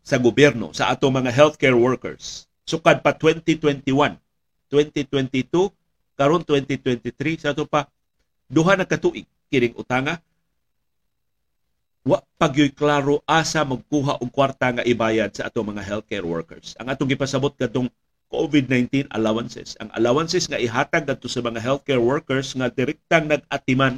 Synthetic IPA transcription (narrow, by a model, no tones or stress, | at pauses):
sɐɡʊbjɛɾno̰sɐʔat̪oŋmɐŋaɦɛlt̪kɛɹwɛɹkɛ̰ɹs | sʊkad̪̚pat̪wɛnt̪it̪wɛnt̪iwan | t̪wɛnt̪it̪wɛnt̪it̪u | kɐɾont̪wɛnt̪it̪wɛnt̪it̪ɾisaʔat̪opa | d̪uɦanɐkat̪uʔɪɡ̚ | kɪnɪŋʔʊ̰t̪aŋa | waʔpaɡjojklaːɾoʔaːsamaɡ̚kuːɦaʔoɡ̚kwaɾt̪aŋaʔɪbaːjad̪̚saʔa̰t̪oŋmɐŋaɦɛlt̪̚kɛɹwɛ̰ɹkɛ̰ɹsʔɐŋʔaːt̪oŋɡɪpasɐbot̪̚ɡ̥ad̪oŋ | kovɪd̪̚najnt̪ina̰lawansɛ̰sʔɐ̰ŋʔɐ̰lawansɛsŋaʔɪɦaːt̪aɡ̚ːad̪̚t̪osamɐŋaɦɛlt̪̚kɛɹwɛɹkɛɹsŋad̪ɪɾɛk̚t̪aŋnɐɡ̚at̪ɪman